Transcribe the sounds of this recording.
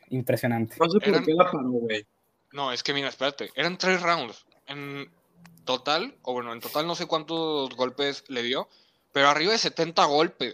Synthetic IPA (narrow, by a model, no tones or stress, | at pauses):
impɾesjonãnt̪enos̬eeoɾaelapaɾoɣwej | no̞e̞ske̞miɾaespe̞ɾat̪e̞ʔe̞ɾant̪ɾe̞srawnd̪s | e̞n | t̪o̞t̪aloβwe̞noe̞nt̪o̞t̪alno̞se̞kwant̪ozɣo̞lpe̞sle̞ðjo̞ | pe̞ɾo̞ariβaðe̞se̞t̪e̞nt̪aɣ̞o̞lpe̞s